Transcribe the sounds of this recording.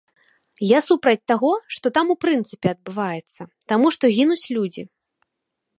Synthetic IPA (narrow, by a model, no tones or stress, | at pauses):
jasupɾɐt͡sʲt̪aɣɔʂt̪ɔt̪amupɾɨnt̪sɨpʲɛɐd̪̚bɨvajɛt̪sːɐt̪amuʂt̪ɔɣʲinut͡sʲlʲud͡zʲi